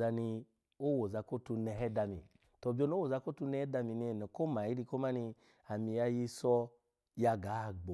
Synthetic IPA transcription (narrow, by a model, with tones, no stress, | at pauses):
a˧ni˧ | o˦wo˨za˧ko˦tu˧nɛ˧hɛ˦da˧mḭ˨ | tɔ˨bi˦o˧n˦o˦wo˨za˧ko˦tu˧˦nɛ˦ɛ˦da˧mi˨ni˧˨nɛ˨ko˦ma˨i˦ɾi˧ko˦ma˦ni˧ | a˨mi˨ja˧ji˧sɔ˧ | ja˧ɡa˨˦˨ɡ͡bo˨